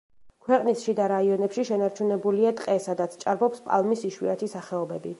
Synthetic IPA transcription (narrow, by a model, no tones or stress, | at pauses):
kʰwɛqʼnisʃid̪aɾaiɔnɛpʃiʃɛnaɾt͡ʃʰunɛbuliat̪ʼqʼɛsad̪at̪sʰt͡ʃʼaɾbɔpspʼa̰lˠmisiʃwḭat̪ʰisaχɛɔbɛbi